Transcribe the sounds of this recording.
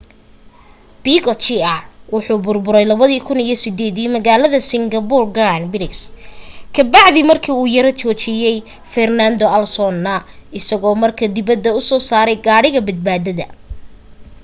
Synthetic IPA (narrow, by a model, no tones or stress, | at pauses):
b̥iɡɔt͡ʃɪɐwʊħuːbʊrbʊɾɛjlɐβɐðiːkʰʊnijɞsɪd̪ɛːðiːmɐɣaːlɐðɐsɪŋɡɐbʊrɡɾanbɪɾɪkskʰɐbɑʕðimɐrkʰiːuːjɐɾɐt͡ʃɔːt͡ʃɪjɛj | fɛrnand̪ɔʔɐlsɔnːɐɪsɐɣɔːmɐrkʰɐd̪ɪβɐd̪ːɐʊsɔːsaːɾɛjɡaːɽɪɣɐbɐd̪̚baːðɐðɐ̰